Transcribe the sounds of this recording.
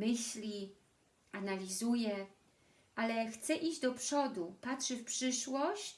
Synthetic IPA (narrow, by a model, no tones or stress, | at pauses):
mɘɕlʲi | analʲizujɛ | ʔalɛxt̪sɛʔid͡ʑd̪ɔpʂɔd̪upatʂɘfpʂɘʂwɔɕt͡ɕt͡ɕ